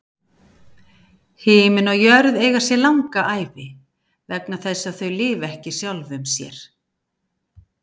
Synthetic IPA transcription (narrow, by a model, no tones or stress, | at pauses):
hɪːmɪnɔɣjœɾðeːjɣasjɛlawŋkaʔaːjvɪ | vɛknaθɛsːaðθœɥlɪːvɛhcɪ̥sjawlvʏmsjɛ̰ɾ̥